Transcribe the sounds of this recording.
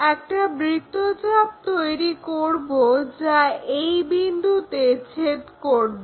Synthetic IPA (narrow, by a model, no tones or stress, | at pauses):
ɛk̚ʈabɾit̪ːod͡ʑab̚t̪ojɾikoɾbod͡ʑaejbind̪ʱut̪et͡ɕʰet̪koɾbo